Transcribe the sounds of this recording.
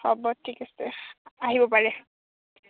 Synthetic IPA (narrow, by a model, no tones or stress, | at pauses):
ɔbɔtʰikasɛaɦibɔpaɹɛ